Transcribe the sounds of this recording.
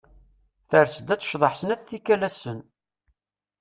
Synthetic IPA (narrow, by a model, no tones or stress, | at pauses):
θəɾsəd̪æt͡sːʃðˤəħsənæt͡sθikːælæsən